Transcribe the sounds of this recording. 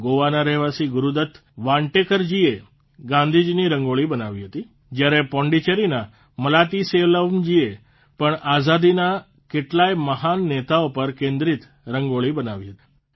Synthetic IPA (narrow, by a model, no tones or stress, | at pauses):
ɡoʋanaɾɛɦʋasiɡuɾud̪ət̪ʰ | ʋãɳʈekəɾd͡ʒie | ɡãnd̪ʱid͡ʒniɾəŋɡoɭibənaʋiɦət̪i | d͡ʒjaɾepɔ̃ɳɖit͡ʃəɾina | məlat̪iseʋləʋnd͡ʒie | pəɳazad̪ina | keʈlajməɦanːet̪aopəɾkẽnd̪ɾit̪ | ɾəŋɡoɭibənaʋiɦət̪i̥